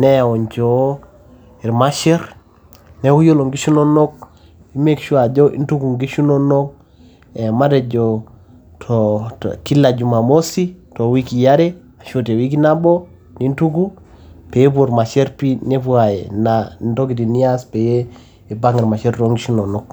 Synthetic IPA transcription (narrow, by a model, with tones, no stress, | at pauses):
ne˦ja˨o˨ɲt͡ʃo˦ | i˨ɾma˦ʃe˦ɾ | ne˦wu˦jo˦lo˨ŋɡi˦ʃu˦no˦no˦k̚ | i˦me˦kʃu˦a˨d͡ʒo˦ʔḭ˦ntu˦ku˨ŋɡi˦ʃu˦no˦no˦k̚ | e˨ma˦te˨d͡ʒo˨ | tʰoki˦la˨d͡ʒu˨ma˨mo˦si˦to˨wi˦ki˨ja˦ɾe˦ | a˨ʃo˦te˨wi˦k̬i˦na˦bo˦ | ni˦ntu˦ku˦ | pe˨je˦p̬o˨ɾma˨ʃe˦ɾpi˦ne˦pwa˨je˨na˨nto˦ki˨ti˨ni˦a˦spe˨je˦ | i˨ba˦ŋi˨ɾma˨ʃe˦ɾto˦ŋɡi˦ʃu˦no˨no˦k̚